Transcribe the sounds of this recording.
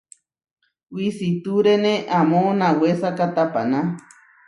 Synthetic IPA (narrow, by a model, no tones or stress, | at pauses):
wisit̪uɾenẽʔamõnãwesakat̪apa̰nã